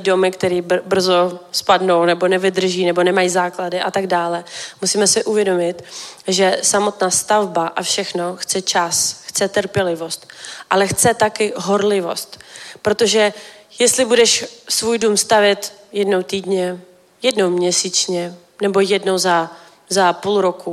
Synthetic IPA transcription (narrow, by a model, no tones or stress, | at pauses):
do̞mɪkt̪ɛɾiːbr̩zo̞spadno̞wnɛbo̞nɛvɪd̪r̩ʒiːnɛbo̞nɛmajizaːkladɪʔat̪aɡdaːlɛmusiːmɛsɪʔuvjɛdo̞mɪt̪ʒɛsamo̞t̪naːst̪avbaʔafʃɛxno̞xt͡sɛt͡ʃasxt͡sɛt̪r̩pjɛlɪvo̞st̪ʔalɛxt͡sɛt̪akɪɦo̞ɾlɪvo̞̰st̪pɾo̞t̪o̞ʒɛjɛst̪lɪbudɛʃsvuːjdumst̪avjɛt̪jɛdnowt̪iːdɲɛ | jɛdno̞wmɲɛsit͡ʃɲɛ | nɛbo̞jɛdno̞wza | zapulɾo̞ku